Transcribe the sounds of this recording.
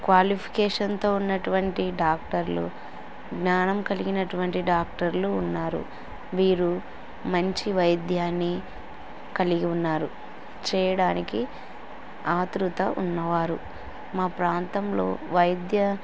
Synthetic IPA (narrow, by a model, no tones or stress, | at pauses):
kʋaːlipʰi̥kɛːʂɐnt̪o̞ːunːɐʈuʋɐɳʈiɖaːk̚ʈɐɾlṵ | ɡnaːnɐmkɐliɡinɐʈuʋɐɳʈiɖaːk̚ʈɐɾluːnːaːɾṵ | ʋiːɾu | mɐɲt͡ʃiʋɐjd̪jaːnːi | kɐliɡiunːaːɾu | t͡ʃɛːjɐɽaːniki | aːt̪ɾut̪ɐʔṵnːɐʋaːɾu | maːpɾaːnt̪ɐmlo̞̰ːʋɐjd̪jɐ